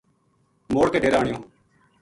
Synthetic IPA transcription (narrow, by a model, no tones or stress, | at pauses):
moːɽkeːɖeːɾaːɳɪjõː